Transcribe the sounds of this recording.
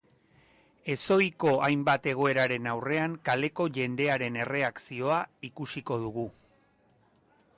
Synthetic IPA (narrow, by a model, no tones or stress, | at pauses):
e̞so̞jko̞ʔajmbat̪e̞ɣ̞o̞e̞ɾaɾe̞nawre̞aŋkale̞ko̞ʝe̞nd̪e̞aɾe̞ne̞re̞aksio̞aikusiko̞ð̞uɣu